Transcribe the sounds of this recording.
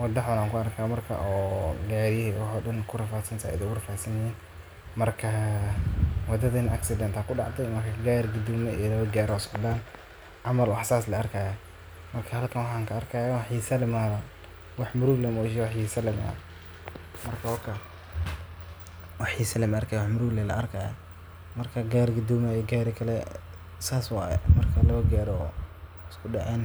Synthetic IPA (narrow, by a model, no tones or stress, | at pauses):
wɐd̪ɐħʊnaːŋkʰʊɐrkʰaːmɐrkʰɐ̰ʔɔːɡaːɾjɛɛwɑħɔːɗɐnkʰʊrɐfaːt̪sɐnt̪ʰa̰ʔɪ̰d̪ɛʊrɐfaːt̪sɐnɪiːn | mɐrkʰɐ | wɑd̪ɐðɐnʔɐ̰ksɪd̪ɛnt̪aːkʰʊɖɑʕt̪ʰɛjmɐrkʰɐɡaːɾɡʊd̪ʊmɐḭjlɐβɐɡaːɾɔsɔdan | ʕɑmɐlwɑħsaːslɐɐrkʰaːja | mɐrkʰɐhɐlkʰɐnwɑħaːŋkʰɐːrkʰaːjwħisɐlɪmaːðɐ | wɑħmʊɾʊɡlɛmɔʃwɑħjisɐlɪma̰ | mɐrkʰɐwɔkʰɐ | wɑħisɐlɛmɐrkʰajwɑħmʊɾʊɡlɛlɐ̰ʔɐrkʰaːja̰ | mɐrkʰɐɡaːɾɡʊd̪ɔːmɛijɡaːɾɪkʰɐlɛ | saːswɑːjɛ̰mɐrkʰɐlɐβɐɡɛːɾɔ | ɪskʰʊdɐʔɛn